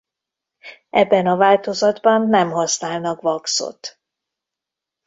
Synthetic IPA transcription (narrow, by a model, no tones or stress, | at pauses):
ɛbːɛnɒvaːlt̪o̞zɒd̪bɒnːɛmɦɒsnaːlnɒkʋɒkso̰t̪